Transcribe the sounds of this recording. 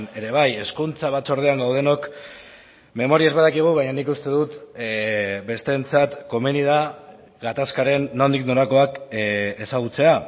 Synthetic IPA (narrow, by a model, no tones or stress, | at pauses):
ne̞ɾe̞β̞aje̞skunt͡saβat͡so̞ɾð̞eaŋɡawð̞e̞no̞k | me̞mo̞ɾiaezβaðakiɣ̞uβajɲanikust̪e̞ðut̪ | be̞st̪e̞nt͡sat̪ko̞me̞niða | ɡat̪askaɾe̞nːo̞nd̪ikno̞ɾako̞ake̞saɣ̞ut͡se̞a